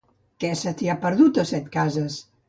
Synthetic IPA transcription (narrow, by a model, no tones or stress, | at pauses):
kɛsət̪iapəɾðut̪əsɛt̪kazəs